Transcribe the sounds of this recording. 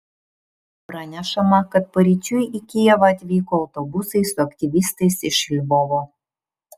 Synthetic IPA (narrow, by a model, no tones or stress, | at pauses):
pɾɐnʲɛʃɐmɐkɐt̪̚pɐɾʲit͡ʃʲʊjikʲɪjɛʋɐɐt̪ʲʋʲiːkoːɐʊt̪ɔbʊsɐɪsʊɐkt̪ʲɪʋʲist̪ɐɪsɪʃɪlʲboːʋoː